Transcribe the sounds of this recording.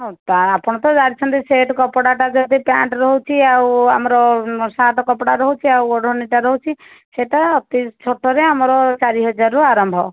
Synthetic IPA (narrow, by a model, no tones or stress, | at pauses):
ɦot̪aapɔɽ̃ɔt̪ɔd͡ʒaɽit͡ʃʰɔnt̪iseʈkɔpɽaʈad͡ʒɔt̪ipaɳʈɾɔɦut͡ʃʰiawamɔɾɔsaʈɔkɔpɽaɾɔɦut͡ʃʰiawoɽɔniʈaɾɔɦut͡ʃʰi | seʈaɔt̪it͡ʃʰoʈːɔɾeamɔɾɔt͡ʃaɾiɦɔd͡ʒaɾuaɾɔmbʱɔ̰